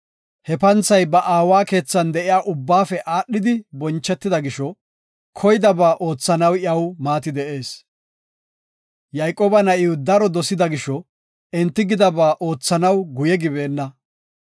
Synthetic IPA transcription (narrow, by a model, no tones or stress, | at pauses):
hɛpɐnt͡sːɐjbɐʔaːwaːke̞ːt͡sːɐnd̪ɛʔɪjaːʔʊbːaːfɛʔaːɗːɪd̪ɪbɔnt͡ʃːɛt̪ːɪd̪ɐɡɪʃɔ | kʰɔjd̪ɐbaːʔo̞ːt͡sːɐnɐwɪɐwmaːt̪ɪd̪ɛʔe̞ːs | jɐjkʼoːbɐnɐʔɪʊd̪ɐɾɔd̪ɔsɪd̪ɐɡɪʃɔ | ɛnt̪ːɪɡɪd̪ɐbaːʔo̞ːt͡sːɐnɐwɡʊjɛɡɪbe̞ːnːɐ